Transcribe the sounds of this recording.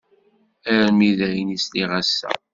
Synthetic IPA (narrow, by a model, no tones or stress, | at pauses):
æɾmiðæjənisliʁæsːæ̰